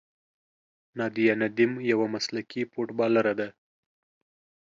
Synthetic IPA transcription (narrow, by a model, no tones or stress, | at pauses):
nɑd̪ijanad̪ɪmjawamaslakipoʈbɑlaɾad̪a